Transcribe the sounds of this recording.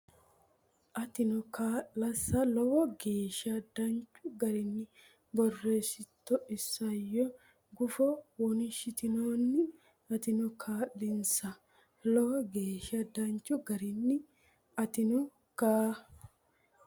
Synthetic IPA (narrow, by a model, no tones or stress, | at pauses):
ʔɐt̪ɪnɔkaːʔɐsːɐlɔwɔɡe̞ːʃɐd̪ɐnt͡ʃʼːʊɡɐɾɪnːɪ | bɔrːeːsɪt̪ːɔʔɪsːɐjːɔ | ɡʊfɔwɔnɪʃɪt̪ɪnoːnːɪ | ɐt̪ɪnɔkʰaːʔːɪnsɐ | lɔwɔɡeːʃɐd̪ɐnt͡ʃːʊɡɐɾɪnːɪ | ɐt̪ɪnɔ | kaː